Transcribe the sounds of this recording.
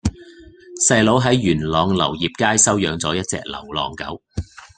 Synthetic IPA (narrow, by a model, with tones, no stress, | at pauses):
sɐ˧jlo˨˥wɦɐ˨˥jːyː˨˩nlɔː˨˧ŋlɐ̰˨˩wjiː˨p̚kaː˥jsɐ˥wjœː˨˧ŋt͡sɔː˨˥jɐ˥t̚t͡sɛ̰ː˧k̚lɐ̰˨˩wlɔ̰ː˨˩ŋkɐ̰˨˥w